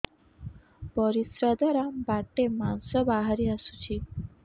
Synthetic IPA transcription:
pɔɾisɾad̪ʱaɾabaʈemansɔbaɦaɾiasu̥t͡ʃʰi

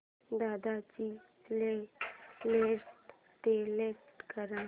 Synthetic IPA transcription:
d̪ad̪at͡ɕi | le | leʈ | t̪eleʈʈkəɾã

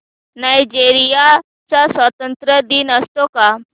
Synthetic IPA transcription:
najd͡ʑeɾija | t͡sasʋət̪ənt̪ɾəd̪iːnəst̪oka

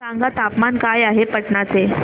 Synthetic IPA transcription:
ãŋɡat̪apmankajaɦepəʈɳat͡se

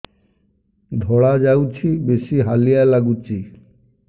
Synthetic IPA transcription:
d̪ʱɔɽad͡ʑawt͡ɕʰibeʃiɦalijalaɡut͡ɕʰi

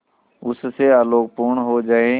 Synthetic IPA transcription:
ʊsseaːloːk̚puːɳɦod͡ʒaːeː

